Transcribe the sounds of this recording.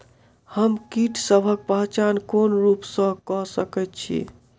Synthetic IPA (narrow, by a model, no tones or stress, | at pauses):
həmkiʈsəbʱək̚pəɦt͡ʃankonɾupsə̃kɔsəkɛt̪̚t͡ʃʰḭ